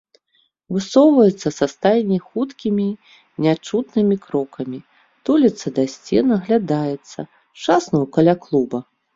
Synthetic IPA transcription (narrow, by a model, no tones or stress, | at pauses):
vɨsɔwvɐjɛt̪sːɐsast̪ajnʲixut̪kʲimʲi | nʲat͡ʂut̪nɨmʲikɾɔkʰɐmʲi | t̪ulʲit̪sɐd̪asʲt͡sʲɛnɐɣlʲad̪ajɛt̪sːɐ̰ | t͡ʂasnɐwkɐlʲaklˠubɐ